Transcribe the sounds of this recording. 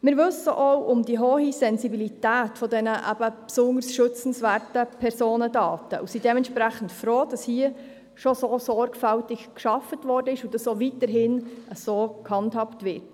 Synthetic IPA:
mɪɾʋɵsəʔɔwʔʊmdiɦoːhisɛnzibilitæːtfɔdɛnəʔæ̰b̥əpsʊŋdəɾsʃɵt͡sn̩svæːrtəpʰɛɾsoːnədɑːtəʔṵsiːd̥ɛmɛntʃpɾæχən̩tfɾoːd̥ɑshiə | ʃɔsoːsɔɾɡfæltɪkkʃɑfətvɔɾdəɪʃʊdɑsovitəɾɦɪnʔəsoːkhɑndhɑptvɪɾt

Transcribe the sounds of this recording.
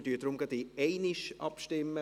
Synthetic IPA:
dyːd̥̪ɾʊmɡ̥ɑd̪iɛɪnɪʃʔɑ̰pʃtɪmːə

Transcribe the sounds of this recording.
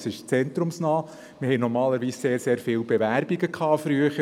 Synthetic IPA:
sɪʃt͡sɛnt̪ɾʊmsnɑː | mɪhɛɪnɔɾmɑːləɾʋiːsseːɾseːɾfɪːlbeʋæɾb̥iɡəkʰɑːfɾyəχə

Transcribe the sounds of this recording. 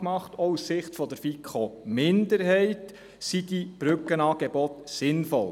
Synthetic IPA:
mɑχtɔussɪχtfɔdəɾfikʰχomɪndəɾɦɛɪt | sid̥ib̥ɾʏkənɑːɡ̥ɛbɔtsɪnfɔl

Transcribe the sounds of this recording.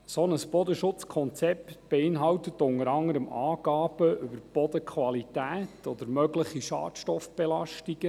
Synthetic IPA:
sɔnəsb̥ɔd̪əʃʊt͡skʰɔnt͡sɛptb̥eɪnɦɑwtət̪ʊŋəɾɑŋəɾəmɑːɡ̥ɑːb̥əʔʏbəɾb̥ɔd̪əkʰʋɑlitæːtʰɔd̪əɾmœɡləχiʃɑ̰ːtʃtɔfb̥ɛlɑʃtiɡ̥ə

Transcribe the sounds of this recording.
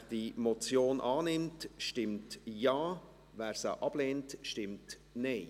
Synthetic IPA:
d̥imɔt͡sjoːnʔɑːnɪmtʃtɪmtjɑː | væːɾsəʔɑb̥leːntʃtɪmt | nɛɪ

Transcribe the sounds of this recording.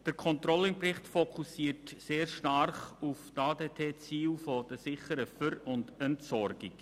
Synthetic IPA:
d̥əɾkʰɔnt̪ɾɔləɪnprɪχtfokʰusiːrtseːrʃtarχuftaːdeːtʰeːt͡siːlfod̥əsɪχəɾəfəɾʊndɛntsɔɾɡɪk

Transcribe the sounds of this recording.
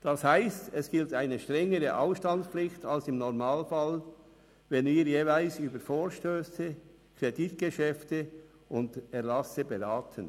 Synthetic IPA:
d̥ɑshaɪstɛsɡ̥ɪltaɪnəʃtʁɛŋəʁəʔa̰ʊfʃtɑntpflɪxtɑlsɪmnɔʁmaːlfɑl | vɛnviːɾjeːvaɪlsyːbəɾfoːɾʃtøːsə | kʰʁeditɡ̥əʃɛftə | ʊndɛʁlɑsəbeɾaːtʰən

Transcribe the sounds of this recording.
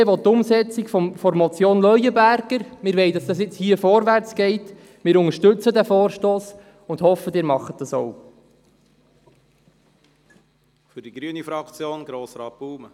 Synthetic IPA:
ʋɔt̚tːʊmsɛt͡sikfɔfɔɾmɔt͡sjoːnlœʏəbæɾɡ̥əɾmɪːɾʋɛɪdɑsd̥ɑsɪt͡shiəfɔɾʋæɾt͡sɡ̥ɛɪt | mɪːɾʊŋəɾʃtɵt͡sədæfoːɾʃtoːs | ʊnd̥̪hɔfədɪːɾmɑχət̚d̥ɑso̰w | fʏɾd̥iɡɾyənifɾɑkt͡sjoːnɡɾoːsɾɑːt̚b̥uːmə

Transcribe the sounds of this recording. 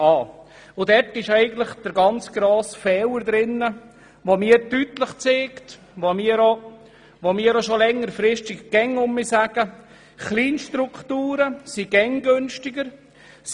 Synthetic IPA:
ɑː | ʊdɛrtɪʃɛɪɡən̩t̪ləχd̥əɾɡɑnt͡sɡ̥ɾoːsfɛwəɾd̪ɾɪnːə | ʋomiːɾdytləχt͡seːkt | ʋomiːəɾo | ʋomiːəɾoʃolɛŋːəɾfɾɪʃtɪkɡ̥ɛŋʊmːisæɡ̥ə | χliːnʃtɾukχtuːɾəsiɡ̥ɛŋɡønʃtɪɡəɾ

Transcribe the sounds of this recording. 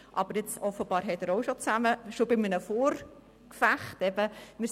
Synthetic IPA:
ʔɑ̰b̥əɾɪt͡sɔfəb̥ɑːɾɦɛtəɾoʊʃot͡sæməʃobɪmənəfoːɾ | kfæχtɛb̥əmɪ

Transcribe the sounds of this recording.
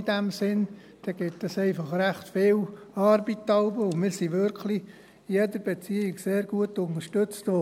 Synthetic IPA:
d̥æmsɪn | d̥ɛɡ̥ɪtəsɛɪfɑχræχtfɪːl | ɑːɾbitɑʊbəʊmɪːɾsiʋʏɾkʰli | jɛdəɾb̥ɛt͡siːɪkseːɾɡuətʊnəʃtøt͡sto

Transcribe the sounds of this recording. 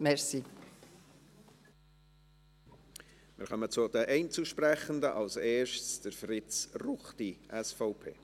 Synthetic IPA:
mɛɾsi | mɪ̰ɾχœmət͡sʊd̥̪əʔɛɪnt͡suʃprɛχəndəʔɑlseːɾʃtsd̥əɾfrɪt͡sruχtiʔɛsfɔʊpʰḛː

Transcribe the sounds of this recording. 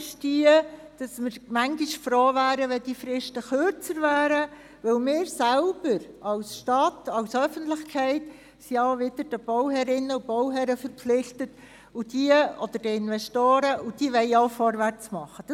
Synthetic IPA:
ʃtiə | d̥ɑsmɪɾmæŋɡiʃfɾoːvæːɾəʋɛd̥ifɾɪʃtəχøɾt͡səɾvæːɾə | ʋɵlmɪːɾsælb̥əɾ | ɑʊsʃtɑtɑʊsœfəntlɪχkʰɛɪt | siɔʊvɪdəɾd̥əb̥ɔwhɛɾɪnːəub̥ɔwɦɛɾəfəɾpflɪχtət | ʊd̥iəɔd̥̪əɾd̥əɪnvɛʃtoːɾəʔud̥iəʋɛɪɔʊfɔɾʋært͡smɑχəd̥ɑ

